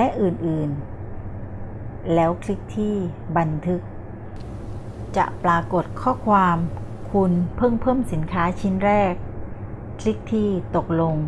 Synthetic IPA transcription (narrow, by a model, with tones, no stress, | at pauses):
lɛ˦˥ʔɯː˨˩nʔɯː˨˩n | lɛː˦˥wkʰli˦˥k̚t̪ʰiː˥˩ba˧nt̪ʰɯ˦˥k̚ | t͡ɕa̰˨˩ʔpɾaː˧ko˨˩t̪̚kʰɔː˥˩kʰwaː˧m | kʰu˧npʰɤː˥˩ŋpʰɤː˥˩msi˨˩˦nkʰaː˦˥t͡ɕʰi˦˥nɾɛː˥˩k̚ːʰ | li˦˥k̚t̪ʰiː˥˩t̪o˨˩k̚lo˧ŋ